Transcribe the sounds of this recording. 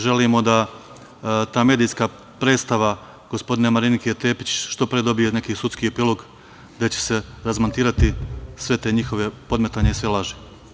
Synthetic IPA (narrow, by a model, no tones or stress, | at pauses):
ʒe̞limo̞d̪a | t̪aːme̞ːd̪ijskaː | pɾedt̪st̪aʋa | ɡ̥ospo̞d̪inemaɾinikiet̪e̞ːpit͡ɕʃt̪o̞pɾied̪o̞bijene̞kiːsut̪skiepiːlˠo̞ɡ | d̪et͡ɕe̥se̞ɾazmont̪iːɾat̪isʋe̞t̪e̞ːɲixo̞ʋe̞po̞d̪met̪aɲeisʋe̞lˠaʒe